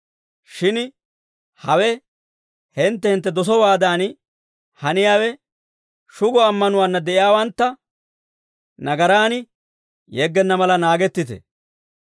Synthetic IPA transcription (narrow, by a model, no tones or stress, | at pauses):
ʃɪn | hɐwɛ | hɪnt̪ːɛhɪnt̪ːɛd̪ɔsɔwaːd̪aːn | hɐnɪjaːwɛ | ʃʊɡɔɐmːɐnʊwaːnːɐd̪ɛʔɪjaːwɐnt̪ːɐ | nɐɡɐɾaːnɪ | jɛɡːɛnːɐmɐlɐnaːɡɛt̪ːɪt̪ɛ̰